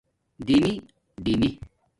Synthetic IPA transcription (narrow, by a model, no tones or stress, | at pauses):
d̪imi | ɖimi